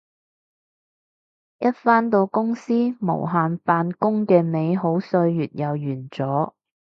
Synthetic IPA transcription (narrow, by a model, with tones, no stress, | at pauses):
jɐ˥t̚faː˥nt̪o˧wkʊ˥ŋsiː˥mo̰˨˩wɦaː˨nfaː˧nkʊ˥ŋkɛː˧me˨˧jɦo˨˥wsɵ˧ɥjyː˨t̚jɐ˨wjyː˨˩nt͡sɔː˨˥